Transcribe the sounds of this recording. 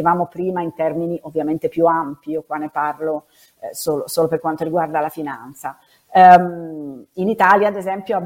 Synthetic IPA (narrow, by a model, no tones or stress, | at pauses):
evaːmopɾiːmaint̪ɛrminiʔovːjament̪epjuampiokwanːeparlo | soːlosoːloperkːwant̪oɾiɡward̪alafinant̪sa | minit̪aːljaːd̪ezɛmpjoab